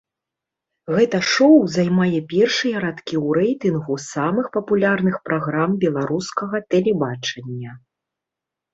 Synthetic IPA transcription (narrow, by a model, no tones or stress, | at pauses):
ɣɛt̪ɐʂɔwzajmajɛpʲɛrʂɨjɐɾat̪kʲiwɾɛjt̪ɨnɣusamɨxpɐpulʲarnɨxpɾaɣɾambʲɛlˠaɾuskɐɣɐt̪ɛlʲɛbat͡ʂɐnʲːɐ